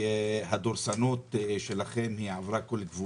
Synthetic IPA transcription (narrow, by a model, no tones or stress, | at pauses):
had̪oɾsanot̪ʃelaχemhiʕavɾakolɡvu